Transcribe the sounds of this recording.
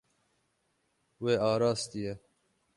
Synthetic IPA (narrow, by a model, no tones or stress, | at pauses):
weːɑːɾɑːst̪ijɛ